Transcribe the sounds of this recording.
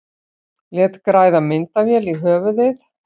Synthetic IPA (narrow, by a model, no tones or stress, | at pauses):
ljɛt̪kɾaːjðamɪnt̪avjɛliɦœːvʏðɪθ